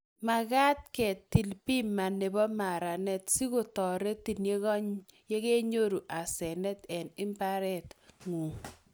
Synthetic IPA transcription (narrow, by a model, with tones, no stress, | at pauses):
ma˨ka˦t̚kɛ˨tːi˨lpi˦ma˨ne˨bɔ˦ma˨ɾa˨nɛ˦tsi˦ko˨tɔ˨ɾe˦ti˨nje˦ɣɔ˦ɲje˦ke˦ɲo˦ɾu˨ʔa˨sɛ˨nɛ˦tɛ˨nɪ˦mpa˦ɾɛ˦˨tŋu˨